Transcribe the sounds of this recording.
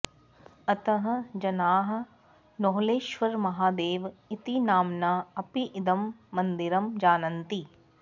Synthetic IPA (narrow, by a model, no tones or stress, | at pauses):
ɐt̪ɐɦɐ̆d͡ʒɐnaːɦɐ̆ | noɦleːʃʋɐɾmɐɦaːd̪eːʋit̪inaːmnaːɐpiʔɪd̪ɐmːɐnd̪iɾɐmd͡ʒaːnɐnt̪i